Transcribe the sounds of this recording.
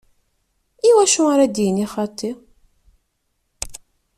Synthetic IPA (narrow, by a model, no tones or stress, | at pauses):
iwæʃuɾæd̪jəniχɑt̪ˤʰːi